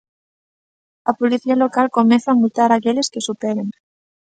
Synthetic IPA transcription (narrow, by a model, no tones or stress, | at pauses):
ɐpoliθialokalkomẽθaːmut̪aɾakeleskesupeɾeŋ